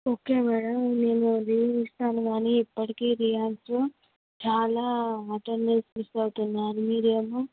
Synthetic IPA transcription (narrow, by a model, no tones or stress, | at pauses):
o̞ːkeːmɛːɽɐmne̞ːnuɾiːsʈ̪ʰaːnɐʋaːniipːɐʈikeːɾijaːksloː | t͡ʃaːlaːɐʈɐɾnesʋisɐɡut̪unːaːnumiːɾijeɐːmu